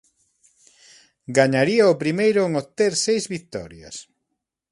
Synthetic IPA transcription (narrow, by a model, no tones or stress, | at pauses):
ɡaɲaɾiaopɾimejɾʊeŋot̪eɾsejzβikt̪ɔ̰ɾja̰s